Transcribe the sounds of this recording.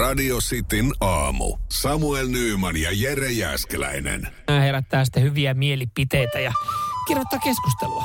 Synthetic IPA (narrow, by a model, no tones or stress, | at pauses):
ɑdiosit̪inɑːmṵsɑmuelnyːmɑnjɑjerejæ̰ːskelæ̰inḛn | æːheræt̪ːæːsi̥t̪ːæhyʋiæmielipit̪eit̪æjɑkirjot̪ːɑːkeskust̪eluɑ